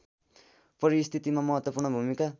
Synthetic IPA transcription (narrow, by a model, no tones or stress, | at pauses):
pʌɾist̪ʰit̪imamʌɦʌt̪wʌpurɳʌbʱumika